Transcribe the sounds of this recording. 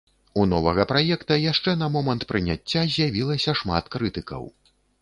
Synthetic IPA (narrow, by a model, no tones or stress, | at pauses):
unɔvɐɣɐpɾajɛkt̪ɐjaʂt͡ʂɛnɐmɔmɐnt̪pɾɨnʲat͡sʲːazʲjavʲilˠɐsʲɐʂma̰t̪kɾɨt̪ɨkɐ̰w